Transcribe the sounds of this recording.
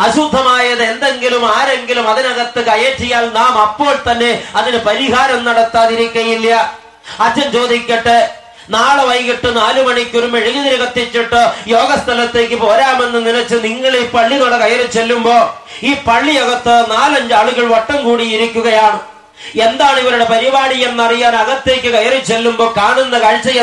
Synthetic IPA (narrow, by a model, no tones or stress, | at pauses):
ɐɕud̪ʱːɐmaːjɐðɨe̞nd̪e̞ŋɡilumaːɾe̞ŋɡilumɐðinɐɣɐt̪ːɨkɐjeːʈːijaːlnaːmɐpːo̞ːɭt̪ɐnːe̞ɐðinɨpɐɾiɦaːɾɐmnɐɽɐt̪ːaːðiɾikʲːɐjilːɐ | ɐt͡ɕːɐmt͡ɕo̞ːd̪ikʲːɐʈːe | naːɭɨʋɐjɣiʈːɨnaːlumɐɳikʲːoɾumeɻiɣɐðiɾiɣɐt̪ːit͡ɕːiʈːɨjo̞ːɡɐst̪ʰɐlɐt̪ːe̞ːkːɨpo̞ːɾaːme̞nːɨninɐt͡ɕːɨniŋːɐɭipːɐɭːinoɽɐkɐjɐrit͡ɕːelːumbo̞ː | iːpɐɭːijoɣɐt̪ːɨnaːlɐɲd͡ʑaːɭuɣɐɭʋɐʈːɐmkuːɽijiɾikʲːuɣɐjaːɳɨ | e̞nd̪aːɭuɣɐɾuɽe̞pɐɾiʋaːɳijɐmnɐrijaːnɐɣɐt̪ːe̞ːkʲːɨkɐjɐrit͡ɕːelːumbo̞ːkaːɳunːɐkɐɭt͡ɕːɐjɐ